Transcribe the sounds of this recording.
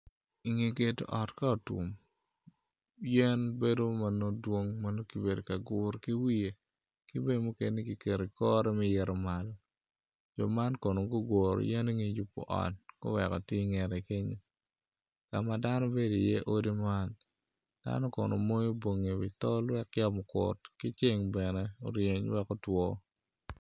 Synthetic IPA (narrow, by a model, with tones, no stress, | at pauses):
i˨ŋe˨ɡe˨to̰˨ʔɔ˨tka˦o˨tṵ˨m | jɛ˦nbe˦do˦ma˨no˦dwo˦ŋma˦no˦ki˨be˨do˨ka˨ɡʊ˨ɾki˦wi˦e˨ | kɪ˦be˦dmu˦ke˨ni˦ki˨ke˨ɾe˨kɔ˦ɾɛ˦mɛ˦jɛ˨ɾɔ˨ma˨lɔ˨ | d͡ʒɔ˨ma˦nkɔ˨no˨ɡo˦ɡwo˨ɾo̰˨jɛ˦ni˦ŋe˨ju˨pːɔ̰˨ʔɔ̰˨tkʊ̰˦wɛ˨kɔ˨tɪ˦ŋɛ˨ɾe˨ke˦ɲo˦ | ka˨ma˨da˦nɔ˦be˦do˨jɛ˦ʔo˦di˦ma˦n | d̥a̰˦nɔ˦kɔ̰˨no̰˨mo˦jo˦bo˨ŋe˨wɪ̰˨tɔ˦lwɛ˦kja˦mʊ˨kʊ̰˨tkɪ˦t͡ʃe˦ŋbɛ˨nɛ˦o˨ɾje˨ɲwɛ˦kɔ˦twɔ˦